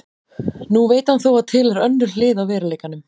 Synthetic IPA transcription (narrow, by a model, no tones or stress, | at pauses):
nuveːjt̪hanθowaðt̪ʰɪːlɛɾœnːʏɾ̥l̥ɪːðawvɛːɾɪleːjkanʏm